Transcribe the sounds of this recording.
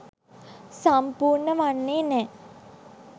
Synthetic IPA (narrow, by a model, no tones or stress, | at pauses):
sampuːɾɳəʋanːeːnɛː